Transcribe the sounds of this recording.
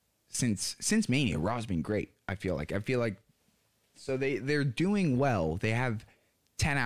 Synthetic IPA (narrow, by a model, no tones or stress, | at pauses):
sɪ̃nsːɪ̃nsmẽɪ̃nḭə̰ɹɑzbɨ̃nɡɹeɪt̚ʔaɪfila̰ɪkaɪfilaɪk̚ | soʊðeɪðə˞duɪ̃ŋwɛlˠðeɪɨv̥ | tʰɛ̃ña